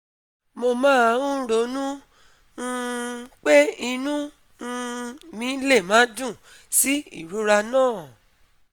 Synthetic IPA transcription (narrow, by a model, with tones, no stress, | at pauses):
mo˧mãː˦ã˧˦ũ˦ɾo˨˦nũ˦˧ | k͡pe˦i˧nũ˦˧ | mĩ˨˦le˦˨mã˨˦dũ˦˨ | si˦ḭ˦˨ɾu˨˦ɾa˧nãː˦˨